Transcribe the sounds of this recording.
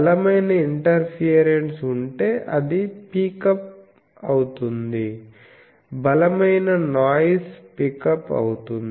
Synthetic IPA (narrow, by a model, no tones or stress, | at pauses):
ɐlɐmɐjnɐiɳʈɐɾpʰiɐɾeɳʈsuɳʈe̞ːʔɐd̪ipikɐp̚ | ɐwut̪und̪i | bɐlɐmɐjnɐnaːjspikɐpɐ̰wut̪und̪i